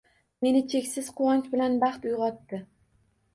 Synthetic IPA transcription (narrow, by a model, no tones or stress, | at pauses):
me̞nɪt͡ʃʰe̞kʲsɪz̥qʰʊwɒnt͡ʃbɪlanbɑχt̪ʊjʁɒt̪ːɪ